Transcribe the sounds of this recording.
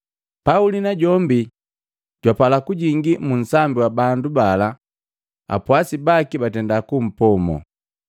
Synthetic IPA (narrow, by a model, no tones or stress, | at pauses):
paulinaɟɔmbi | ɟ̥wapalakuɟiŋɡimun̩sambiwabandubala | a̰pwasibakibatɛndakum̩pɔmɔ̰